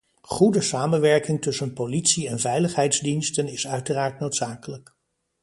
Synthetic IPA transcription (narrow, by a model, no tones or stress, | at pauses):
χudəsaːmənʋɛɹkɪŋtɵsənpolitsiɛnvɛjləχɦɛjdzdinstənɪsœɥtəraːɹt̚nowtsaːkələk